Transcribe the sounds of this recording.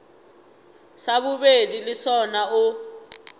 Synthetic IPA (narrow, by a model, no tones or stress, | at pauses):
saβubedilɪsɔnaʊ